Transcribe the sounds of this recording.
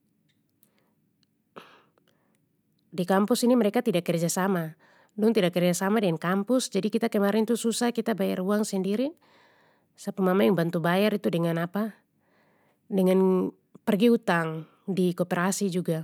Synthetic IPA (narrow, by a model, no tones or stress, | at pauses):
dikampusinimɛɾɛkat̪idakːɛrd͡ʒasama | dɔŋt̪idakːɛrd͡ʒasamadɛŋankampusd͡ʒadikit̪akɛmaɾɛnt̪ususahkit̪abaja̰ruaŋsɛndiɾi | sapamamajaŋbant̪ubajaɾit̪udɛŋanapa | dɛŋan | pərɡiut̪aŋ | dikɔpɛɾasid͡ʒuɡa